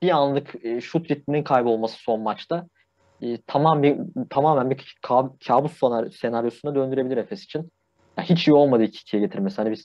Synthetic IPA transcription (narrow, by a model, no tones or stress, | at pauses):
b̥ijanlˠɯkɯːʃut̪ɾit̪̚mininkʰajbɯo̞lˠmasɯ̥so̞nmat͡ʃt̪a | ɯːt̪ʰamambit̪ʰamaːmænbikʰacʰaːbusse̞naɾjo̞sunad̪ø̞nd̪yɾeiiɾefesi̥t͡ʃʰin | ja̰hit͡ʃijo̞lˠmad̪ɯːcʰi̥cʰijɛɟe̞t̪ʰiɾmesihanibiz